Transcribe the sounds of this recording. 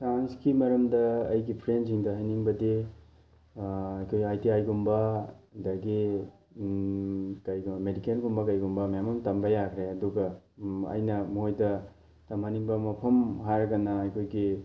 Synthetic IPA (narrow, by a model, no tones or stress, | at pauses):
sanskimɐɾɐmdɐɐjɡipʰɾensiŋdɐɦɐjniŋbɐdi | ɐjkʰojajtiajɡumbɐdɐɡi | kɐjɡmedikelɡumbɐkɐjɡumbɐmjamɐmtɐmbɐjakʰɾeɐduɡɐ | ɐ̰jnɐmuɦojdɐ | tɐmaniŋbɐmɐpʰɐmɦajɾɐɡɐnɐɐjkʰojɡi